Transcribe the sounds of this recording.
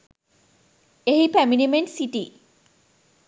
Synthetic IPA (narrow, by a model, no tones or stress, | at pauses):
eɦipæminimeɳʈsiʈi